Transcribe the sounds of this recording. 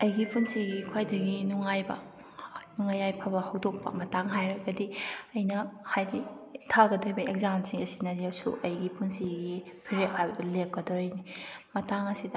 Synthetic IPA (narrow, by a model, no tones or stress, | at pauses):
ɐjɡipunsiɡikʰwajdɐɡinuŋajbɐ̰ | nuŋajajpʰɐbɐhɐwdok̚pɐ̰mɐtaŋɦajɾɐɡɐdiɐjnɐhajditʰaɡɐdojbɐekzamsiŋɐsinɐziawsṵʔɐjɡipunsiɡi | pʰiɾet̚hajbɐdɐlep̚kɐdɔɾɐjnimɐtaŋɐsidɐ